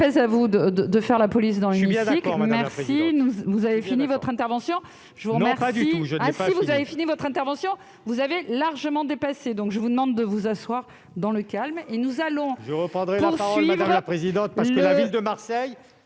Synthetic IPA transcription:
pɛzavud̪əd̪əd̪əfɛʁlapɔlis̬d̪ɑ̃lmit̪ikmɛʁsinuvuzavefinivɔt̪χɛ̃t̪ɛʁvɑ̃sjɔ̃ | ʒ̥əvuʁəmɛʁasiʒəɛ̃sivuzavefinivɔt̪χɛ̃t̪ɛʁvɑ̃sjɔ̃ | vuzavelaʁʒəmɑ̃d̪epased̪ɔ̃kʒəvud̪əmɑ̃d̪ːəvuzaswaʁ | d̪ɑ̃ləkʲalmenuzalɔ̃ʒəʁəpχɑ̃d̪ʁɛpuaʁasʁɔlɥivʁpχezid̪ɑ̃t̪̚paʁslkəlavild̪əmaʁsɛj

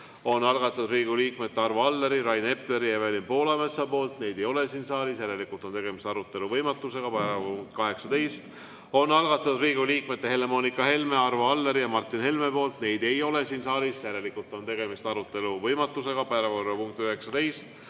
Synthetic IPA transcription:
o̞nːɑlɡɑt̪ːˑud̪riːɡuliːkmet̪ːe̞ɑrvoɑlːeɾiɾɑjne̞ple̞ɾijɑvelinpo̞ːlɑmesɑpo̞ːlt̪ne̞jd̪̥ejo̞le̞siːnsɑːlisjæɾe̞likult̪ot̪e̞ɡ̥e̞mist̪ɑɾut̪ːˑe̞luvɤjmɑt̪ːˑuse̞ɡ̥ɑpæɾɑpuŋk̚t̪̚kɑɦe̞ksɑt̪e̞jst̪ | o̞nːɑlɡ̥ɑt̪ːˑud̪̥riːɡuliːkme̞t̪ːe̞he̞le̞mo̞ːnikːˑɑhe̞lme̞ɑrvoɑlːeɾijɑmɑrt̪ːˑinhe̞lme̞po̞ːlt̪ne̞jd̪̥e̞jo̞le̞siːnsɑːlisjæɾe̞likult̪ːˑo̞nt̪e̞ɡ̥e̞mist̪ɑɾut̪ːˑe̞luvɤjmɑt̪ːˑuse̞ɡ̥ɑpæɾɑvorːɑpuŋk̚t̪yɦe̞ksɑt̪e̞jst̪

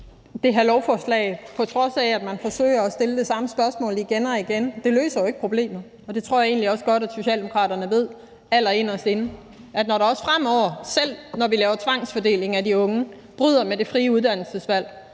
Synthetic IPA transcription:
d̥e̝ɦælɒʊfɒslɛ̰ɪpʰɒ̽t͡sʰʁɒ̽sææd̥mænfɒ̽sø̰ɪ̰ɐɒsd̥e̝ləd̥e̝sɑ̈məsb̥ɶɐsmɔ̰̽ːliɡ̥enɒ̽iɡ̥end̥e̝lø̰ːsɐjoe̝ɡ̥əpʰʁo̝b̥le̝̰ːmð̩ˠ | ɒ̽d̥e̝t͡sʰʁo̝ɐ̰jɑ̈e̝̰ːnliɒ̽sɡ̥ɒ̽ɾæd̥so̝ɕɛ̰ːld̥emo̝kʰʁɑ̰̈ːɾɐnəʋe̝ð̞̰ˠ | æl̰ɐe̝nɒsd̥e̝n̩ | ʔæd̥nɒɾɑ̈ɒ̽sfʁam̰ɒʊ̰ɐsel̰nɒʋilɛːʊɐt͡sʰʋɑ̈ŋ̰sfɒ̽d̥e̝̰ːle̝ŋædiɔ̽ŋə | b̥ʁyð̰ˠɐmede̝fʁiːəuð̞ˠd̥æn̰l̩səsʋæl̰

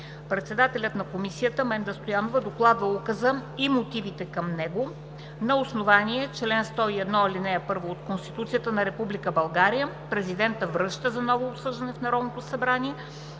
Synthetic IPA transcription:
pɾɛt̪sɛd̪at̪ɛlʲət̪nɐkomisijət̪əmɛnd̪ɐst̪ojanovəd̪oklˠad̪vəukəzəimot̪ivit̪ɛkɐmnɛɡo | nɐosnovanʲiɛt͡ʃlɛnst̪ɔiɛd̪nɔilinɛɛpɤɾvoːt̪konst̪it̪ut̪sijət̪ənɐɾɛpublikəbɐlˠɡaɾijə | pɾɛzid̪ɛnt̪əvɾɤʃt̪əzɐnɔvoːpsɤʒd̪ɐnɛfnɐɾɔd̪not̪osɐbɾaniɛ

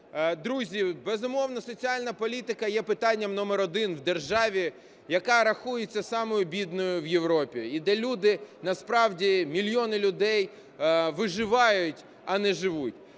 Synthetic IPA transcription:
d̪ɾuzʲibɛzʊmɔwnɐsɔt͡sʲialʲnɐpɔlʲit̪ɪkɐjɛpɪt̪ɑnʲːɐmnɔmeɾɔd̪ɪnwd̪erʒɑʋʲi | jɐkɑɾɐxujet͡sʲːɐsɑmɔjʊbʲid̪nɔjʊʋjeʋɾɔpʲiid̪ɛlʲud̪ɪnɐspɾɑwdʲimʲilʲjɔnɪlʲʊd̪ɛj | ʋɪʒɪʋɑjʊtʲ | ɐnɛʒɪʋutʲ

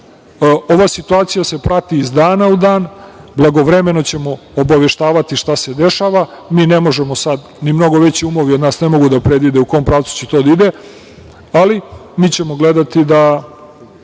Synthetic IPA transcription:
o̞ʋasit̪uaːt̪sijase̞pɾat̪iːzd̪aːnaud̪aːnblˠaɡo̞ʋɾe̞me̞no̞t͡ɕe̞mo̞ | obaʋe̞ʃt̪aːʋat̪iʃt̪ase̞d̪e̞ʃaːʋa | miːne̞mo̞ʒe̞mosad̪ | nimno̞ɡo̞ʋe̞t͡ɕiumoʋio̞d̪naːsne̞mo̞ɡud̪apɾe̞d̪ʋid̪euko̞ompɾaːʋt̪su̥t͡ɕet̪od̪aid̪e | alimiːt͡ɕe̞mo̞ɡle̞d̪at̪id̪a

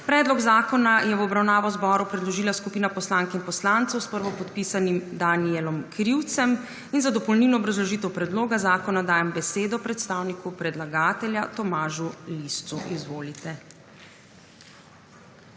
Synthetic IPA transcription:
pɾɛːd̪lɔɡzaːkɔnajɛwɔbɾawnaːʋɔzbɔɾupɾɛd̪lɔʒiːlaskupiːnapɔslaːŋkɛinpɔslaːnt̪sɔwspəɾʋɔpɔt̪piːsanimd̪aniɛlɔmkɾiwt̪sɛm | inzad̪ɔpɔlniːlnɔːbɾazlɔʒiːt̪ɛwpɾɛd̪loːɡazaːkɔnad̪aːjɛmbɛseːd̪ɔpɾɛt̪st̪aːwnikupɾɛd̪laɡaːt̪ɛljat̪ɔmaːʒulist̪suʔizʋoːlit̪ɛ

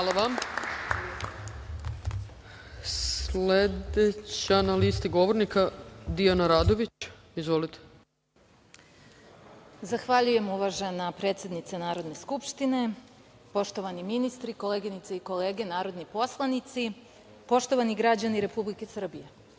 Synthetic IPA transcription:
alˠaʋam | sled̪et͡ɕeanalist̪iɡo̞ʋoɾnikad̪ijanaɾaːd̪o̞ʋit͡ɕ | izʋo̞lit̪e̥ | zaxʋaʎuje̞muʋaʒe̞napɾe̞ːt̪sje̞d̪nit̪senaːɾo̞d̪ne̞skupʃt̪ine̞po̞ʃt̪o̞ʋaniminist̪ɾiko̞leɡinit̪seiko̞leːɡe̞naːɾo̞d̪nipo̞slˠanit̪si | po̞ʃt̪o̞ʋaniɡɾad͡ʑaniɾe̞publike̞sr̩bije̞

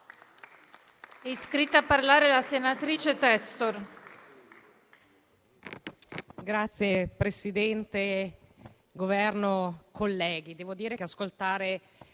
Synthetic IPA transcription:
ɛiskɾit̪ːaːpːarlaːɾelasenat̪ɾiːt͡ʃet̪ɛst̪or | ɡɾat̪sːjepɾesid̪ɛnt̪e | ɡovɛrnokʰolːɛːɡid̪ɛːvod̪iːɾekeaskolt̪aːɾe

